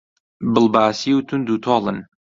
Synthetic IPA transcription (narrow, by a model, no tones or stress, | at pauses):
bɨlbaːsiːwt̪ʰʊnd̪ut̪ʰɑːlɨn